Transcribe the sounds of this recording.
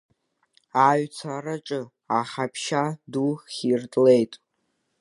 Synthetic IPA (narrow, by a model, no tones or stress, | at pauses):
aɥt͡sʰaraʈ͡ʂʼɨ | aχapʰʃaduχʲirtʼle̞jtʼ